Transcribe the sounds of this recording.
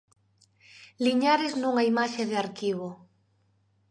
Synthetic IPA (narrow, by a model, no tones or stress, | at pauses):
liɲaɾeznũŋaimaʃeðeaɾkiβ̞o